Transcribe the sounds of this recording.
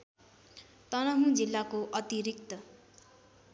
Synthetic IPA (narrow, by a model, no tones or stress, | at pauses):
t̪ʌnʌɦũd͡zilːakoʔʌt̪iɾikt̪ʌ